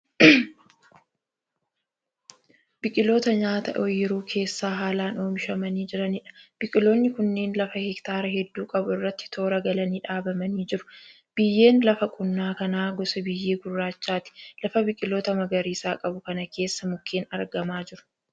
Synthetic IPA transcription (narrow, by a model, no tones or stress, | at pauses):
bɪkʼɪlo̞ːt̪ɐɲaːt̪ɐʔɔjːɪɾuːkʰe̞ːsːaːɦaːlaːno̞ːmɪʃɐmɐniːd͡ʒɪɾɐnɪᶑɐ̥b̥ɪkʼɪlo̞ːnːɪkʊnːe̞ːnlɐfɐhɛkt̪aːɾɐhɛd̪ːuːkʼɐbʊɪrːɐt̪ːɪ̥t̪ʰo̞ːɾɐɡɐlɐniːᶑaːbɐmɐniːd͡ʒɪɾʊ̥ | b̥ɪjːe̞ːnlɐfɐkʼʊnːaːkɐnaːɡɔsɛbɪjːeːɡʊrːaːt͡ʃːaːt̪ɪ̥lɐfɐbɪkʼɪlo̞ːt̪ɐmɐɡɐɾiːsaːkʼɐbʊkɐnɐke̞ːsːɐmʊkʰːeːnɐɾɡɐmaːd͡ʒɪɾʊ̥